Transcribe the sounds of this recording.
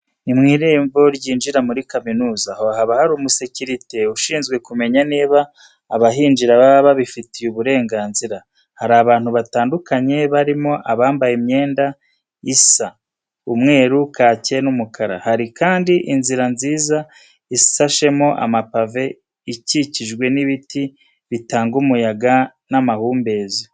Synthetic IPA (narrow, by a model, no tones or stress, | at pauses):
imŋiːɾeːɱvo̞ɾɟiːnd͡ʒiɾamuɾikaminuːzahohaβahaɾuːmuseciɾite̞uʃiːnzɡwe̞kume̞ɲaneːβaː | βaɦiːnd͡ʒiɾaβaβaβifitijuβuɾe̞ːŋɡaːnziɾa | haɾaβaːn̥huβataːndukaɲe̞βaɾimo̞ʔaβaːmbajemɲe̞ːnda | isa | umŋe̞ːɾukaːce̞numukʰaɾa̰haɾikaːndiʔinziɾanziːza | isaʃe̞mo̞ʔa̰mapave̞ | iciciʒɡwe̞niβiti | βitaːŋɡumujaɡa | namahuːmbe̞ːzi